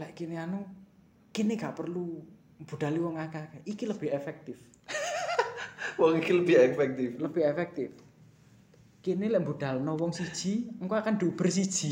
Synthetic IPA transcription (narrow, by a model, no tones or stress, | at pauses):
lɛʔkineanu | kineŋɡaʔpərlu | mbuɖ̪̥a̤liwɔŋakakaʔikiləb̥ɪɦefɛk̚t̪ɪf | wɔŋikiləb̥ɪɦɛfɛk̚t̪ɪfləb̥ɪɦefɛk̚t̪ɪf | kinelɛʔmbuɖ̥a̤lnɔwɔŋsid̥ʒ̥iŋkoakand̪ub̥ərsid̥ʒ̥i